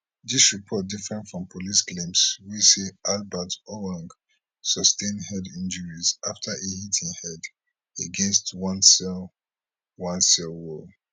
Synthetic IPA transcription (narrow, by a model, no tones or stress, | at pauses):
disɹipʰɔt̚difɹɛ̃ntfɹɔ̃mpʰolisklẽmswiseʔalbatɔwãŋɡ | sɔstẽndhɛdĩnd͡ʒəɹizaftʰaʔehitʰĩŋhɛd | eɡɛ̃nstwãnsɛl | wãnsɛlwɔ